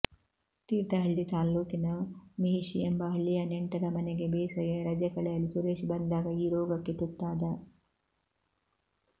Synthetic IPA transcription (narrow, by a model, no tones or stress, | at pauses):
t̪iːɾt̪ɐɦɐɭːit̪aːloːkinɐmiɦiʃiembɐɦɐɭːijɐneɳʈɐɾɐmɐneɡe̞beːsɐjɐɾɐd͡ʒɐkɐɭɛjɐlːisuɾeːʃbɐnd̪aːɡɐiːɾɔːɡɐkːet̪ut̪ːaːd̪ɐ